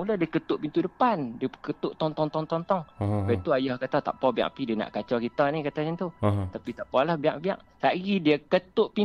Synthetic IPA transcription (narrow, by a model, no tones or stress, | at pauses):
muladiəkət̪ʊʔpint̪udəpandiəkət̪ʊʔt̪ɔŋt̪ɔŋt̪ɔŋt̪ɔnt̪ɔŋbat̪uajahkat̪at̪a̰ʔpɔbia̰ʔpidiəna̰ʔkat͡ʃɔkit̪anikat̪aɲant̪ut̪apit̪aʔpalahbiaʔbia̰ʔsaʔɡidiəkət̪ʊʔpi